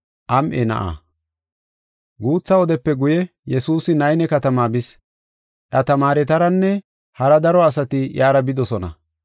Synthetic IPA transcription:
ʔɐmʔɛnɐ̰ʔa̰ | ɡuːt͡sːɐwɔd̪ɛpːɛɡʊjɛ | jɛsuːsɪnɐjnɛkɐt̪ɐmaːbɪs | ʔɐt̪ɐmaːɾɛt̪ɐɾɐnːɛ | hɐɾɐd̪ɐɾɔɐs̬ɐt̪ɪjaːɾɐbɪd̪ɔsɔnɐ̰

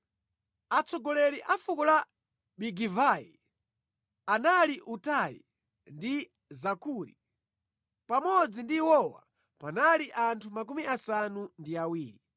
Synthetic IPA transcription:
at͡sɔɡɔlɛɾiʔafukɔla | ɓiɡivajḭ | analiʔutajḭ | ndi | zakuɾi | pamɔd͡zindiwɔwa̰ | panaliʔantʰumak̬umiasanundiawiːɾi

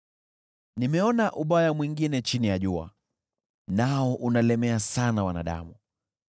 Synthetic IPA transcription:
nimɛɔnaʔuɓajamwiŋɡinɛt͡ʃinijaʄua̰ | naɔʔunalɛmɛasanawana̰ɗa̰mu

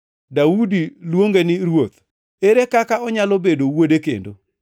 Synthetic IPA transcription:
daudilwoŋɡenɪɾwot̪ | eɾekakaɔɲalobedowodekḛndo

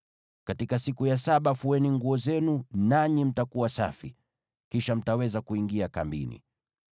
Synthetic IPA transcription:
katikasikujasaɓafuɛniŋɡuɔzɛnunaɲim̩takuwasa̰fi | kiʃam̩tawɛzakuiŋɡiaka̰mbḭnḭ

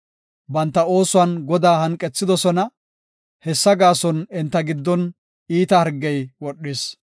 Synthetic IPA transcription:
bɐnt̪ːɐo̞ːsʊwɐnɡɔd̪aːhɐŋkʼːɛt͡sːɪd̪ɔsɔnɐ | hɛsːɐɡaːsɔnɪnt̪ːɐɡɪd̪ːɔn | iːt̪ɐhɐɾɡːɛjwɔɗːɪs

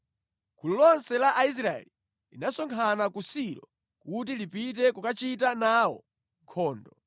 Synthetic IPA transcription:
kʰululɔnsɛlaʔais̬ɾaɛ̰li | linasɔŋkʰanakusiɾɔ | kut̬ilipit̬ɛkukat͡ʃitanawɔ̰ | kʰɔːndɔ

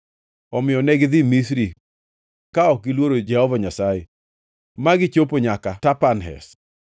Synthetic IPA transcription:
ɔmɪjɔnɛɡd̪ɪmisɾi | kaɔkilwoɾod͡ʒɛhɔvaɲasaje | maɡɪt͡ʃopoɲakatapanɦɛ̰s

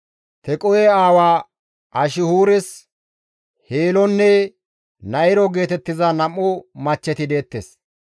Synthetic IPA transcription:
t̪ɛkʼɔjɛaːwaː | ʔɐʃɪhuːɾɛs | heːlɔnːɛ | nɐɪɾɔɡe̞ːt̪ɛt̪ːɪzɐnɐmːʊmɐt͡ʃːɛt̪ɪd̪e̞ːt̪ːḛs

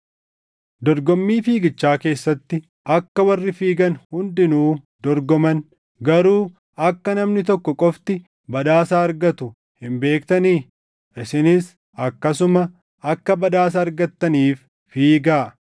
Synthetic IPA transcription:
d̪ɔɾɡɔmːiːfiːɡɪt͡ʃːaːke̞ːsːɐt̪ːɪ | ɐkːɐwɐrːɪfiːɡɐnhʊnd̪ɪnuː | d̪ɔɾɡɔmɐn | ɡɐɾuː | ɐkːɐnɐmnɪt̪ɔkːɔkʼɔft̪ɪ | bɐd̪aːsaːɐɾɡɐt̪ʊ | hɪmbe̞ːkt̪ɐniː | ʔɪsɪnɪs | ɐkːɐsʊmɐ | ɐkːɐbɐd̪aːs̬ɐːɾɡɐt̪ːɐniːfː | iːɡaː

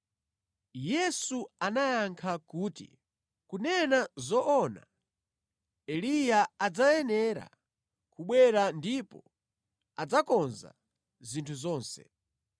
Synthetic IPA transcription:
jɛsuanajaŋkʰakuːtḭ | kunɛnazɔʔɔna̰ | ɛlijaad͡zajɛnɛɾa̰ | kuɓwɛɾandipɔ | ad͡zakɔnza̰ | zintʰuzɔːnsɛ̰

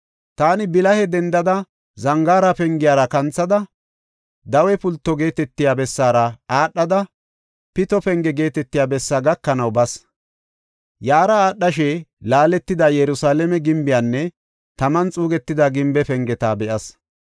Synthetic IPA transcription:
t̪aːnɪbɪlɐhɛd̪ɛnd̪ɐd̪ɐ | zɐŋɡaːɾɐpɛŋɡɪjaːɾɐkɐnt͡sːɐd̪ɐ | d̪ɐwɛpʊlt̪ːɔɡe̞ːt̪ɛt̪ːɪjaːbɛsːaːɾɐaːɗːɐd̪ɐ | pɪt̪ɔpɛŋɡɛɡe̞ːt̪ɛt̪ːɪjaːbɛsːaːɡɐkːɐnɐwbɐs | jaːɾɐaːɗːɐʃɛlaːlɛt̪ːɪd̪ajɛɾʊsaːlɛmɛɡɪmbɪjaːnːɛ | t̪ɐmɐnt͡sʼuːɡɛt̪ːɪd̪aɡɪmbɛpɛŋɡɛt̪aːbɛʔɐs

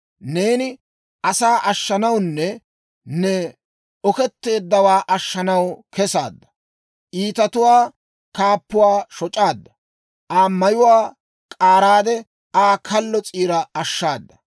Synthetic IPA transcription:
ne̞ːnɪ | ʔɐsaːʔɐʃːɐnɐwnːɛ | nɛ | ɔkɛt̪ːe̞ːd̪ːɐwaːʔɐʃːɐnɐwkʰɛsa̰ːd̪ːɐ̥ | ʔiːt̪ɐt̪ʊwaː | kaːpːʊwaːʃɔt͡ʃʼaːd̪ːɐ | ʔaːmɐjʊwaː | kʼaːɾaːd̪ɛ | aːkʰɐlːɔt͡sʼiːɾɐɐʃːaːd̪ːɐ̥

